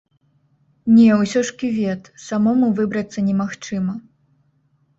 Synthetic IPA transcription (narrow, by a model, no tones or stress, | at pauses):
nʲɛwsʲɔʂkʲivʲɛt̪samɔmuvɨbɾɐt̪sːɐnʲɛmaxt͡ʂɨmɐ